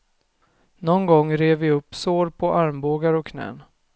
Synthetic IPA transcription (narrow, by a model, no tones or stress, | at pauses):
nɔnɡɔŋːɾeːvɪɵpːsoːɾpʰɔʔaɾmboːɡaɾɔkʰnɛ̰ːn